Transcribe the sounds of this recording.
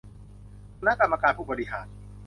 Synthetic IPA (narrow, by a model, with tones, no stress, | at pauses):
kʰu˧na˦˥˩ka˧mːa˧kaː˧npʰuː˥˩bɔ˨˧ɾi˦˧˩ɦa̰ː˨˩˦n̚